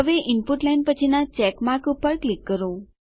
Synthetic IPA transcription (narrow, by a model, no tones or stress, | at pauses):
əʋeʔɪnpuʈlajnpət͡ʃʰinat͡ʃɛkmaɾkupːəɾklikːəɾo